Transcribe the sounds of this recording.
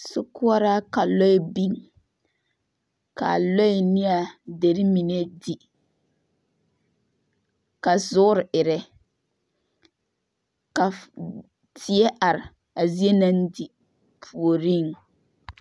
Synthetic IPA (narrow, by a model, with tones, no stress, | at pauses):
sʊ˦kʊ˦ɔ˦ɾa˦ka˨lɔ˦ɪ˦bi˦ŋ | ka̰˨lɔ˦ɪ˨nɪ˦a˨de˨ɾɪ˦mi˨ne˦di˨ | ka˨zʊ˦ʊ˦ɾɪ˨ʔɪ˨ɾɛ˦ | ka˨ | tʰɪ˨ɛ˦ʔa˨ɾɪ˨ | a˨zi˦e˦na˦ndi˨ | pʰu˨o˨ɾi˦˨ŋ